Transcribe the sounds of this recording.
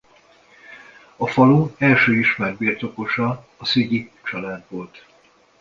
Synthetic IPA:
ɒfɒluɛlʃøːiʃmɛrbirt̪o̞ko̞ʃɒː | siɟit͡ʃɒlaːd̪volt̪

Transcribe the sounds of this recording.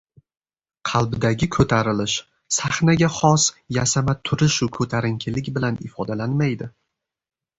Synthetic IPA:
qʰɑlˠbɪd̪aɡʲɪkʰɵt̪ʰaɾɪlɪʃ | saχnaɡʲaχɒsjasamat̪ʰʊɾɪʃʊkʰɵt̪ʰaɾɪŋkʲʰɪlɪkʲbɪlanɪfɒd̪alanmajd̪ɪ

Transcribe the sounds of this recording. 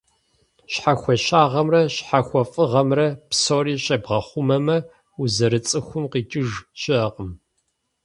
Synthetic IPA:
ɕħaxʷɔɕaːʁɐmrɐɕħaxʷɔfʼɨʁɐmrɐpsoːriːɕɐbʁɐχʷʊmɐmɐ | uzɐɾɨt͡sʼɨxʷʊmqiːt͡ʃʼɪʒʃɪɐqəm

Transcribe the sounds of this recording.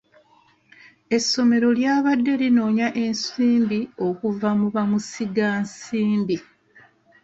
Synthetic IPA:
e̞sːo̞me̞ɾo̞ljaːβadːe̞lino̞ːɲaʔe̞nsiːmbio̞kuvamuβamusiɡaːnsiːmbi

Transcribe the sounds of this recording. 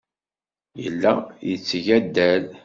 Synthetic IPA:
jə̰lːæjət͡sːʝæd̪ːæl

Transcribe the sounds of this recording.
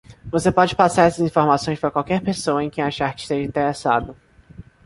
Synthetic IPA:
vosepɔd͡ʒɪpasaɾɛsɐzĩfoɾmasõj̃spɾɐkwawkɛɾpesoɐẽj̃kẽj̃aʃaɾkɪ̥st̪eʒɐĩnt̪eɾesad̪ʊ

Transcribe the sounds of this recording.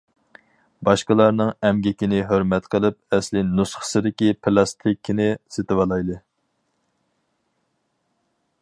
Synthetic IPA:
bɑʃqəlˠɑɾnɨŋɛmɡʲikʲinɪɦøɾmɛt̪qʰəlˠɨp̚ɛslɪnusχə̥sɨd̪ɪkʲipʰɪlˠɑst̪ʰikʲʰːinɪset̪ɪwɑlˠɑjlˠɨ

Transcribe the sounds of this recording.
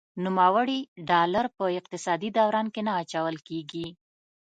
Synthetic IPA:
numawəɽiɖɑlaɾpəɪq̚t̪ɪsɑd̪id̪awɾɑnkenaːt͡ʃawəlkeɡi

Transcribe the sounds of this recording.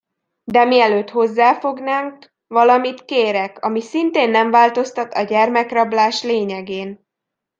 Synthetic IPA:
d̪ɛmiɛløːt̪ho̞zːaːfo̞ɡnaːŋk | vɒlɒmit̪keːɾɛkɒmisint̪eːnːɛɱvaːlt̪o̞st̪ɒt̪ɒɟɛrmɛkrɒblaːʃleːɲɛɡeːn

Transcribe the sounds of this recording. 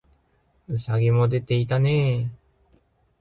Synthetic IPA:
ɯ̟saɡʲimo̞d̪e̞t̪e̞it̪aneː

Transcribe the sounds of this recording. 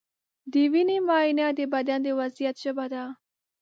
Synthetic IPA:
d̪iːʋiniːmaːinjãd̪ebɐd̪jãːd̪eːʋɐzijət̪̚t͡ʃəbɐd̪aː

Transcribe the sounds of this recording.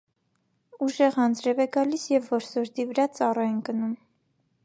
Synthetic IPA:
uʒɛʁɑnd͡zɾɛvɛɡɑlisjɛvːɔɾsɔɾd̪ivəɾɑt͡sɑrɑjɛnɡənum

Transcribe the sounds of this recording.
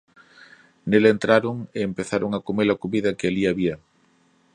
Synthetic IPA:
nelent̪ɾaɾʊŋeːmpeθaɾoŋakomelakoβiðɐkɪaliaβiɐ

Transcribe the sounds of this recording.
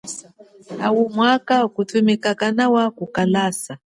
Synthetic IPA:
awumwakakutumikakanawakukalaːsa

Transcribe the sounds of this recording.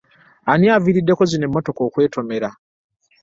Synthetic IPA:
aniaviɾidːe̞kozine̞mːo̞to̞kokwe̞ːtʰo̞me̞ɾa

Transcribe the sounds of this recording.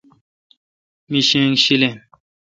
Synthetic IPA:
miɕẽŋɕile

